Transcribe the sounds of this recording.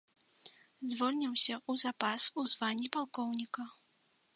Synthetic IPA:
zvɔlʲnʲiwsʲɐuzapasuzvanʲːipalˠkɔwnʲikɐ

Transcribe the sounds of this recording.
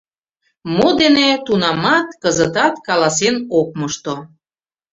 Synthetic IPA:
mod̪enet̪unɑmɑt̪kəzət̪ɑt̪kɑlɑsenok̚məʃt̪o

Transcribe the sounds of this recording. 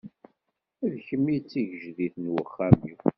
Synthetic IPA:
æðçəmːit͡sːiʝəʒðiθnwəχːæmiw

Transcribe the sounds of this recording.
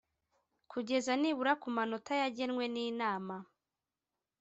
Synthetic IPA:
kʰuɟe̞zaniβuɾakumanotajaɟenwe̞niːnaːma

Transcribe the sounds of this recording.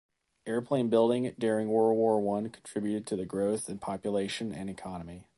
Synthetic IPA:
ʔɛɹəpʰl̥ẽɪ̃nbɪlˠdɪ̃ŋdʊɹɪ̃ŋwɔɹwɔɹwʌ̃nkʰn̩tʰɹ̥ɪbjʉɾɨd̚tʰɨðɨɡɹoʊθɨ̃npʰɑpjəleɪʃɨ̃nɨ̰̃nɨkʰɑnəmi

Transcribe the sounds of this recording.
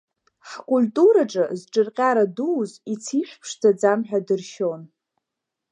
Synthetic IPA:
ħkʼulʲtʼuɾaʈ͡ʂʼɨzʈ͡ʂʼɨrqʲʼaɾaduːzit͡sʰiʃʷᶣpʰʂd͡zad͡zamħᶣadɨrʃon

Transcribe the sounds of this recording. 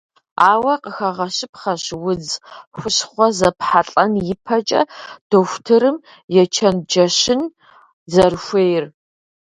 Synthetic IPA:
aːwɐqəxɐʁɐɕɪpχɐɕwʊd͡zxʷʊɕχʷɔzɐpħaɬʼɐnjɪpʰɐt͡ʃʼɐ̰d̥oxʷtʰɨɾɨm | jɛt͡ʃʰɐnd͡ʒɐɕɪn | zɐrxʷeːjɪr

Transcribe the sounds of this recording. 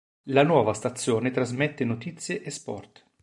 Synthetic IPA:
lanwɔːvast̪at̪sːjoːnet̪ɾazmet̪ːenot̪it̪sːjeʔespɔ̰rt̪

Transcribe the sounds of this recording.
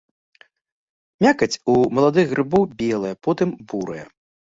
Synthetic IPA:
mʲakɐt͡sʲumɐlˠad̪ɨɣɣrɨbɔwbʲɛlˠɐjɛpɔt̪ɨmbuɾɨjɛ̰

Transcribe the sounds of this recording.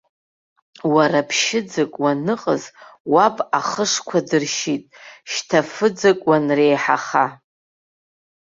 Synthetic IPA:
waɾapʰʃɪd͡zakʼwanɨqʼəzwapʼaχəʂkʷʰadɨrʃitʼʃtʰafɨd͡zakʼwanrejħaχa

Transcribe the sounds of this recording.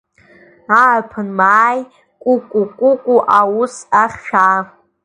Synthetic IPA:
apʰɨnmaːj | kʷʼʊkʷʼukʷʼʊkʷʼuʔawusaχʲʃᶣa

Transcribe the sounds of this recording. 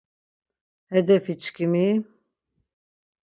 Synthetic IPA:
hɛd̪ɛfit͡ʃkimi

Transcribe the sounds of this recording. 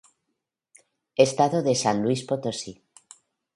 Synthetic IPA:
est̪aðoðesanlwispot̪osi

